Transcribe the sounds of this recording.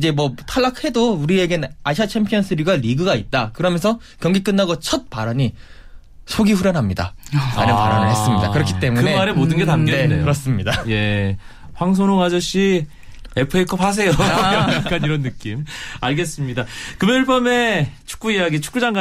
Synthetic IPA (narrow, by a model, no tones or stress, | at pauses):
id͡ʑe̞mwʌtʰaɭːakhe̞douɾie̞ɡenaɕʰat͡ɕʰempʰijʌnsʰɯɾiɡaɾiɡɯɡait̚t͈akɯɾʌmjʌnsʰʌ | kjʌŋɡik͈ɯnːaɡʌt͡ɕʰʌt̚p͈aɾaɲi | sʰoɡiɸuɾjʌnɦamɲida̰aɾɯnpa̰ɾa̰nɯɭɦhe̞s͈ɯmɲida̰kɯɾʌkʰi̥t͈e̞munɯemaɾemodɯnɡe̞tamɡɡenekɯɾʌs͈ɯmɲidaje̞ | ɸwaŋs̬ʰonoŋɦad͡ʑʌɕ͈i | epʰɯekʰʌphas̬ʰe̞joak͈aniɾʌnːɯk͈imaɭɡe̞s͈ɯmɲidakɯmjeɯɭpʌme̞t͡ɕʰu̥k͈uijaɡit͡ɕʰu̥k͈ud͡ʑaŋɡa